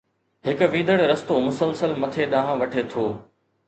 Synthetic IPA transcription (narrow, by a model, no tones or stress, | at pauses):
ɦɪkʊ̆ʋĩːd̪əɽɾɐst̪omʊsəlsəlmɐt̪ʰeɗãːɦãʋɐʈʰet̪ʰoː